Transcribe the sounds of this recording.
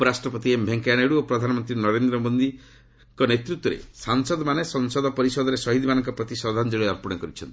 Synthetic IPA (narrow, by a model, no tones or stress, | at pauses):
upɔɾasʈɾɔpɔt̪iembʱeŋkaneɽuopɾɔd̪ʱanɔmɔnt̪ɾinɔɾend̪ɾɔmond̪i | kɔnet̪ɾut̪wɔɾḛsaŋsɔd̪ɔmanesɔŋsɔd̪ɔpɔɾisɔd̪ɔɾesɔɦid̪ʱimanɔŋkɔpɾɔt̪isɔd̪ʱand͡ʒeɭɔɔɾpɔɽ̃ɔkɔɾit͡ʃʰɔnt̪i